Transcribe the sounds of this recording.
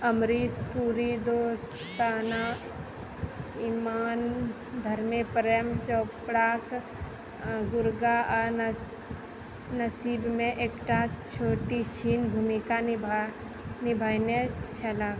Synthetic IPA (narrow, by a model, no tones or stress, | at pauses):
əmɾiːspuːɾid̪oːs | t̪aːna | imaːn | d̪ʱəɾmepəɾjəmt͡ʃɔːpɽaːk | ɡʊɾɡaa | nəsiːbmẽʔeːkʈat͡ʃʰoːʈit͡ʃʰiːnbʱumika | nɪbʱaːjnet͡ʃʰəlaːk